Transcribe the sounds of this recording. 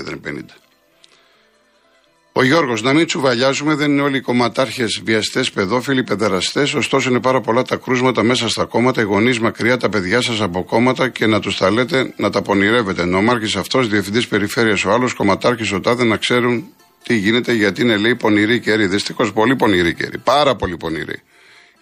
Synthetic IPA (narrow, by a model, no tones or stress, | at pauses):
ðḛnpḛnḭd̪ɐ | o̞ʝo̞ɾɣo̞znɐmint͡suvɐʎɐzume̞ðe̞nineo̞liko̞mɐt̪ɐɾçe̞zviɐst̪e̞spe̞ðo̞filipe̞ðeɾɐst̪e̞so̞st̪o̞so̞ine̞pɐɾɐpo̞lɐt̪ɐkɾuzmɐt̪ɐme̞sɐst̪ɐko̞mɐt̪ɐiɣo̞nizmɐkɾiɐt̪ɐpe̞ðʝɐsɐsɐpo̞ko̞mɐt̪ɐce̞nɐt̪usθɐle̞t̪e̞nɐt̪ɐpo̞niɾe̞ve̞t̪enomɐɾçisɐft̪osðiefind̪ispe̞ɾife̞ɾiɐso̞ɐlo̞sko̞mɐt̪ɐɾçisot̪ɐðenɐkse̞ɾun | t̪iʝine̞t̪e̞ʝɐt̪iine̞le̞ipo̞niɾice̞ɾiðist̪ixo̞spo̞lipo̞niɾice̞̰ɾḭpɐɾɐpo̞lipo̞nḭɾḭ